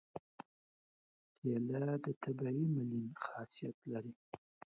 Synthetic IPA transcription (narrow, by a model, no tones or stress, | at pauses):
d̪jelad̪ət̪ʰabaimɪlinxɑsijat̪laɾi